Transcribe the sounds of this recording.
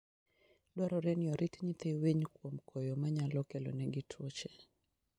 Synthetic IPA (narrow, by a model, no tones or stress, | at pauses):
dɔɾɔɾɛniɔɾʔitɲit̪eweɲkwomkʰɔjɔmaɲalɔkɛlɔ̰nɛɡɪtʰwot͡ʃɛ